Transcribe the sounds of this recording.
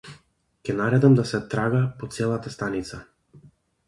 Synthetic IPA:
kʲɛnaɾɛd̪amd̪asɛt̪ɾaɡapɔt̪sɛlˠat̪ast̪anit̪sa

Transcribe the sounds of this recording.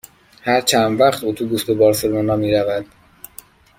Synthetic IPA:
hæɾt͡ʃʰænvæχt̪ʰuːt̪ʰuɡust̪obɒːɾselmonɒːmiːɾævæd̪̥

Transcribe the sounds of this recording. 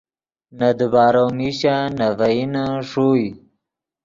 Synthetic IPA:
nad̪əbaːɾowmiɕanavainaʂoj

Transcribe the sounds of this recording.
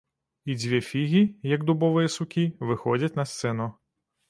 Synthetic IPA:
id͡zʲʋʲifʲiɣʲijɐɡd̪ʊbɔʋɔjɛsʊkʲiʋɪxɔd͡zʲɐtʲnɐst̪sɛnʊ

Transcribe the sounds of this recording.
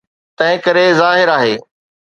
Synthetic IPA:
t̪ɐ̃ɦɪ̃kɐɾezaːɦɪɾaːɦeː

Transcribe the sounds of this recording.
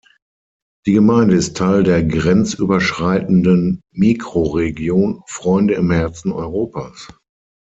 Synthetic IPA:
d̥iːɡəmaɪndəɪstʰːaɪldeːɐɡʁɛnt͡sʔyːbɐʃʁ̥aɪtn̩dənmiːkʁ̥oʁeɡjoːnfʁ̥ɔʏndəɪmhɛɐt͡sn̩ɔ̰ʏʁoːpaːs

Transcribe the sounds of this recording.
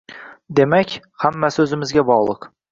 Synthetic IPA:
d̪e̞makʲ | hamːasɵzɪmɪzɡʲabɒʁlˠɨq

